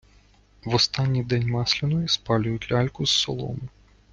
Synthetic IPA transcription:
wɔst̪anʲːijd̪ɛnʲmɑslʲɪnɔjispɑlʲʊjʊt̪ʲlʲalʲkʊsːɔlˠɔ̰m

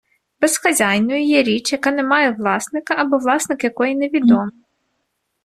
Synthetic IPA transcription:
b̥esxɐzʲɑjnɔjʊjɛɾʲit͡ʃjɐkɑnɛmɑjɛʋlˠɑsnɪkɐɐbɔʋlˠɑsnɪkjɐkɔjineʋʲid̪ɔmɪ

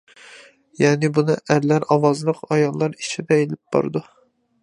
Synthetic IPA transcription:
jɛːnɪbunɨʔæɾlæɾɑwɑzlˠəqɑjɑlˠːɑɾit͡ʃʰid̪ɛelɪp̚b̥ɑ̰ɾɨd̪u

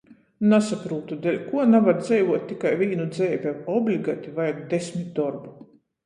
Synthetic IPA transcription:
nasapɾuːt̪ud̪ɛlʲkuɔnavaɾd̪zɛjvuɔt̪̚ʲːikajvʲiːnud̪zɛːbʲɛɔblʲiɡat̪ʲivajaɾd̪esʲmʲit̪̚d̪ɔɾbu

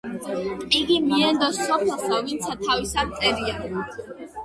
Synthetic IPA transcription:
pʼiɡimiɛnd̪ɔsɔpʰɛlˠsavint̪sʰat̪ʰavisad̪̚t̪sʼɛɾia

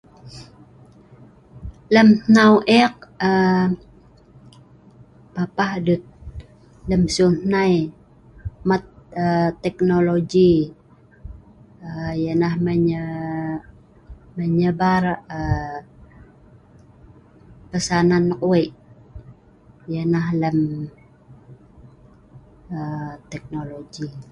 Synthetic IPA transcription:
ləmnawʔɛk̚ə | papahdut̪̚ | ləmsunaj | mat̪̚ət̪ːɛknoloɡi | əjənahməɲə | məɲəbarə | pəsananːəkueʔ | jənahləm | ət̪ɛk̚noloɡi

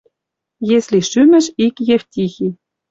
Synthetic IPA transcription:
jeslʲiʃymɘ̆ʃikjeftʲixi

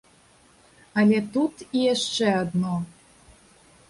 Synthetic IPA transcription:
ɐlʲɛt̪ut̪ijaʂt͡ʂɛad̪nɔ

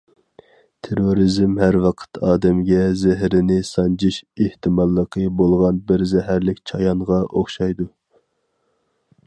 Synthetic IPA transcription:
t̪ʰeɾoɾizmhæɾwɑqʰə̥t̪ʰɑːd̪ɛmɡʲɛzɛɦɾɪnɪsɑnd͡ʒʰiʃeht̪ʰɨmɑlˠːəqʰəbolˠʁɑnbɪɾzɛɦæɾlɪkʲt͡ʃʰɑjɑɴʁɑʔoχʃɑjd̪u

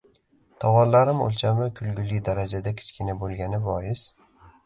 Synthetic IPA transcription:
t̪ʰɒwɒnlaɾɪmo̰lˠt͡ʃʰamɪkʰʊlɡʲʊlːɪd̪aɾad͡ʒad̪akʲʰɪ̥t͡ʃkʲʰɪnabolˠɡʲanɪbɒjɪs

